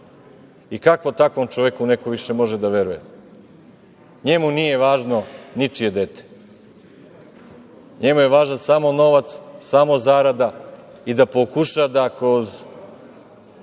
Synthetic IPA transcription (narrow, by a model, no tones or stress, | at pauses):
ikakʋo̞t̪akʋomt͡ʃoʋekune̞koʋiʃe̞mo̞ʒed̪aʋe̞ɾuje̞̰ | ɲe̞munije̞ʋaːʒno̞nit͡ʃije̞d̪et̪e̥ | ɲe̞muje̞ʋaːʒnasamo̞no̞ʋat̪ssamo̞zaːɾad̪a | id̪apokuʃad̪akɾoz